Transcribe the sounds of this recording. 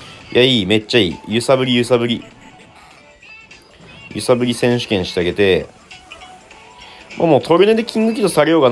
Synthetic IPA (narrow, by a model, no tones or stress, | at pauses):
jaiːme̞t͡ɕːaḭːjɯ̟sabɯ̟ɾʲijɯ̟sabɯ̟ɾʲi | jɯ̟sabɯ̟ɾʲisẽ̞ɰ̃ɕɨ̥kẽ̞ɰ̃ɕi̥t̪eaɡe̞t̪e̞ | mʔa̰ːmoːt̪ʰo̞ɾɯ̟ned̪e̞kʲʰĩŋɡɯ̟kʲit̪o̞saɾejo̞ːɡan